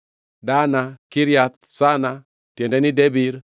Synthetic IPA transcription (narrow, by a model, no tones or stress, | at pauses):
danakiɾjat̪̚ | sana | tjɛndɛnidebiɾ